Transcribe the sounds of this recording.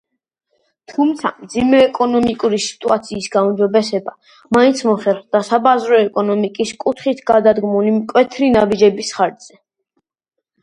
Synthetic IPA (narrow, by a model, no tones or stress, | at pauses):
t̪ʰumt̪sʰa̰md̪zimɛːkʼɔnɔmikʼuɾisi̥t̪ʼuat̪sʰiːsɡaumd͡ʒɔbɛsɛba | maĩnt̪sʰmɔχɛɾχd̪asabazɾɔɛkʼɔnɔmikʼiskʼut̪ʰχit̪ʰɡad̪ad̪ɡmulimkʼwɛt̪ʰɾinabid͡ʒɛbisχaɾd̪z̥ɛ